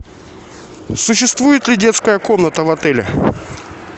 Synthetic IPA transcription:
sʊɕːɪst̪vujɪt̪lʲɪdʲe̞t̪skəjəkomnət̪əvɐt̪ɛlʲɪ̰

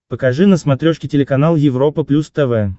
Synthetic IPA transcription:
pəkɐʐɨnəsmɐt̪ɾʲoʂkʲɪtʲɪlʲɪkɐnalˠjɪvɾo̞pəplʲust̪ɛvɛ

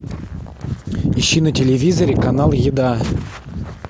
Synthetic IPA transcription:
iɕːinətʲɪlʲɪvʲizəɾʲɪkɐnɑlˠjɪd̪a

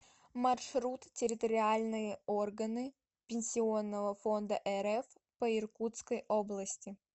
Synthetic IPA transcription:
mɐrʂɾut̪tʲɪɾʲɪt̪əɾʲɪalʲnɨjəorɡənɨ | pʲɪnʲsʲɪo̞nːəvəfo̞nd̪əʔɛɾɛf | pəɪrkut̪skəjʔoblˠəsʲtʲɪ

